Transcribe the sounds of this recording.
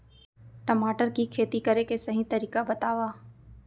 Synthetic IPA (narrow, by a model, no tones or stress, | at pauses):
ʈəmaːʈəɾkikʰeːt̪ikəɾekesɐɦĩt̪ɐɾiːkabət̪aːʋaː